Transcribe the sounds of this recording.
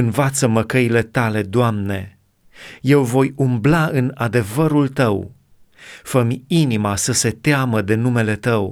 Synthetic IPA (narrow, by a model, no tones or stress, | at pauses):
ɨnvat̪səməkəile̞t̪ale̞d̪oamne̞ | je̞wvo̞jumblaɨnad̪e̞vəɾult̪əw | fəmʲinimasəse̞t̪eaməd̪e̞nume̞le̞t̪əw